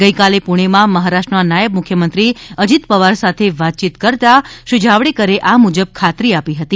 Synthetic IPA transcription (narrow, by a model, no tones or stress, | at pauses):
ɡəjkalepuɳ̃emãməɦaɾaʃʈnanajəb̚mʊkʰjəmənt̪ɾiəd͡ʒit̪pəʋaɾsat̪ʰeʋat̪̚t͡ʃit̪kəɾt̪aʃud͡ʒʱaʋɽikəɾeʔamud͡ʒəb̚kʰat̪ɾiapiɦət̪i